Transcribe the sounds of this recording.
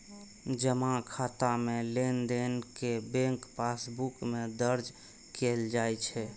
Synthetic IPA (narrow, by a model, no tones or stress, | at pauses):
d͡ʒəmãkʰat̪amelend̪enkebẽŋkpasbukmed̪əɾd͡ʒ | keld͡ʒajt͡ʃʰɛ